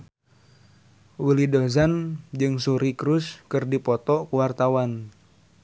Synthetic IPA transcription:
wilidozand͡ʒɨŋsuɾikɾuskɨrdipɔt̪ɔkuwart̪awan

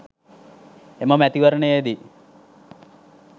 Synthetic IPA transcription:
eməmæt̪iʋəɾəɳəjed̪i

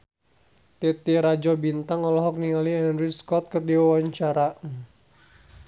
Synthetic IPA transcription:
t̪ɛt̪iɾad͡ʒɔbint̪aŋɔlɔɦɔk̚niŋaliɛnɾiskɔt̪̚kərdiwawaɲt͡ʃaɾa

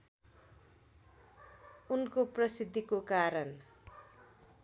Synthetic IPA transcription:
unkoprʌsid̪ʱːikokaɾʌn

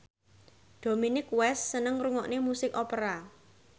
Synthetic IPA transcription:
ɖ̥o̤minɪkwɛsːənəŋruŋɔʔnemusɪkɔpəɾa

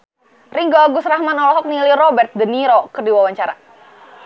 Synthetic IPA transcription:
riŋɡɔɡusrahmanɔlɔɦɔk̚nilirɔbɛrt̪̚dəniɾokərdiwawaɲt͡ʃaɾa̰

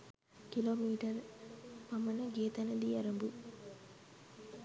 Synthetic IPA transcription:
kiloːmiːʈɐɾmɐmɐnɐɡeːt̪ɐnɐd̪iɐɾɐmbu

